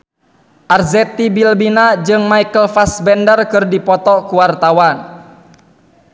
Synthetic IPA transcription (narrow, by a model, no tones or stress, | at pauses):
ʔarzɛt̪ibilbinad͡ʒɨŋmaikəlfasbɛndərkɨrdipɔt̪ɔkuwart̪awan